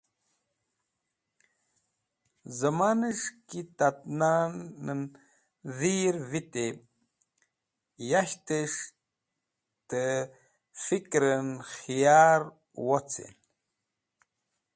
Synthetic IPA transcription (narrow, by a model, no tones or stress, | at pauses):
zəmanəʂkit̪at̪̚nanən | ðiɾvit̪e | jaɕt̪əʂ | t̪ə | fikɾənxijaɾ | wot͡sʰḛn